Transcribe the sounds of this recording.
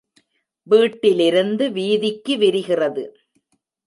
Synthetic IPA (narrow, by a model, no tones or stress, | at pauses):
ʋiːʈːɪlɪɾɯnd̪ɯʋiːðɪkːɯʋɪɾɯɣɪrɐðɯ̰